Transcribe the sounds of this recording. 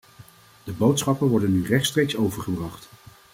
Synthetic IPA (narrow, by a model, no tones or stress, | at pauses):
d̥əbowtsχɑpənʋɔɹdənːyrɛχtstrejksowvəɹχəbrɑχt